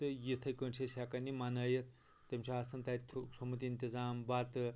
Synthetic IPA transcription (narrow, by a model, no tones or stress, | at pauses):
ɨjit̪ʰɐjkəɳt͡ʃʰesʲakɐnimanɐːjɐt̪ | t̪emt͡ʃʰiasɐnt̪ajt̪t̪ʰsɐmɐt̪̬iːnt̪izaːmbat̪ɨ